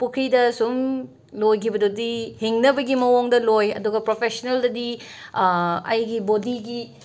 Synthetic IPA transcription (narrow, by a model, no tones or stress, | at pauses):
pukʰɾidɐsum | lojkʰibɐdodiheŋnɐbɐɡimɐwoŋdɐlojɐ̰duɡɐpɾopʰesoneldɐdi | ɐ̰jɡibodiɡi